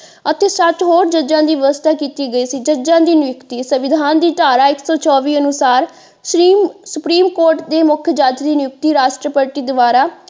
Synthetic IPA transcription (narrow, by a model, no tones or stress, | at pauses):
ət̪eːsəʈɦoːɾd͡ʒəd͡ʒãːd̪iːʋəʋəst̪ʰaːkiːt̪iːɡəiːsiːd͡ʒəd͡ʒãːd̪iːnɪjʊkt̪iːsəʋɪd̪ʱaːnd̪iːʈ̪aːɾaːɪksɔːt͡ʃɔːʋiːənʊsaːɾ | sɾiːmsʊpɾiːmkoːɾʈd̪eːmʊkʰjəd͡ʒaːd͡ʒd̪iːnɪjʊk̚t̪iːɾaːʃʈɾəpəɾʈiːd̪ʊʋaːɾaː